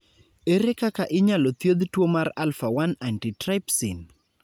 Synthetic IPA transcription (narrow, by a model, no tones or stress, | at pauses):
eɾekakaʔɪɲalot̪jod̪twomaralfawanantitɾajpsin